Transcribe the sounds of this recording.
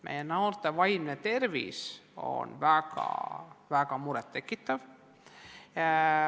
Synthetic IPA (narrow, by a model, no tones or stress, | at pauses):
mʔḛjænːɑurt̪ːeʋɑjmnet̪erʋḭːso̰nʋækɑ̰ʋækɑmuɾet̪ːekːit̪ːæʋ